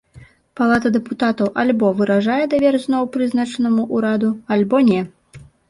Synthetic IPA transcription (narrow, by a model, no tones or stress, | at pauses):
palˠat̪ɐd̪ɛput̪at̪ɐwʔalʲbɔvɨɾaʐajɛd̪avʲɛrzʲnɔwpɾɨznat͡ʂɐnɐmuʔuɾad̪ualʲbɔnʲɛ